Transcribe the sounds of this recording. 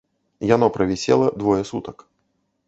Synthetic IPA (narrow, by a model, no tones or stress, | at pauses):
janɔpɾɐvʲɛsʲɛ̰lˠɐd̪vɔjɛsut̪ɐk